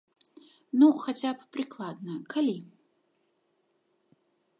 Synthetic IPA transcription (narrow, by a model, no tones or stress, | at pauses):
nuxat͡sʲappɾɨklˠad̪nɐkalʲi